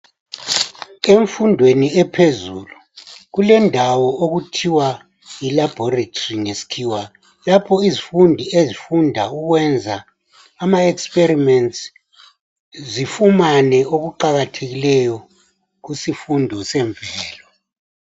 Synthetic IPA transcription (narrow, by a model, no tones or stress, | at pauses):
eɱfundʱweniɛpʰezuːlu | ɣulɛndʱawɔʔoɣutʰiwa | ilab̥ʱɔratʰoriŋesi̥kʰiwa | lapʰɔizifundʱiezifundʱauɣwɛnd͡zʱaː | maɛksperimɛnts | zifumanɛoɣuǃaɣatʰeɣilɛjɔ | ɣusifundʱɔsɛɱbvʱɛːlɔ